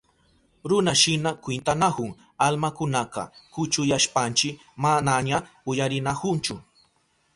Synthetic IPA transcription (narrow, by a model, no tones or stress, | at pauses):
ɾʊnaʃɪnakwɪnt̪anakʊŋ | almakʊnaqɑ̰kʊt͡ʃʊjaʃpant͡ʃɪ | manaɲa | ʊjaɾɪnakʊnt͡ʃʊ